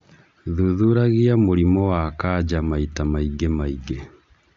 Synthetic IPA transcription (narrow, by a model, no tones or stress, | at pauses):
ðuðuɾaɣiamoɾimɔwakad͡ʑamaitamaiɡemaiɡe